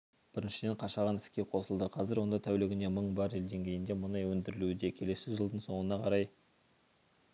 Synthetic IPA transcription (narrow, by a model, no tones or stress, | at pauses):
b̥ɪɾɪnʃɪd̪e̞ɴqʰɑʃɑʁɑnɪ̥skʲe̞qʰo̞səlˠd̪əqʰɑzɪɾwo̞nd̪ɑt̪ʰæwlɪɡʲɪne̞məɴbɑɾe̞ld̪e̞ŋkʲe̞jɪnd̪e̞mʊnɑjwɵnd̪ɪɾɪlud̪e̞kʲʰe̞le̞sɪʒəlˠd̪əɴso̞ɴənɑqʰɑɾɑj